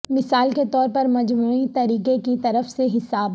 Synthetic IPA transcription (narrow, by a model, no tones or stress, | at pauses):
mɪsaːlket̪ɔːɾpɐɾmɐd͡ʒmuːit̪ɐɾiːkekit̪ɐɾəfseɦɪsaːb